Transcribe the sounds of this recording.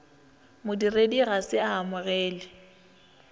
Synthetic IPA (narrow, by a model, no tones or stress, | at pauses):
mʊdirediɣasɪaɦamʊɣɛːlɪ